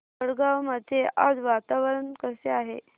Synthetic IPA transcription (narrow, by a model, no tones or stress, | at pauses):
əɽɡawməd̪ʱjeʔad͡zʋat̪aʋəɾənkəseaɦḛ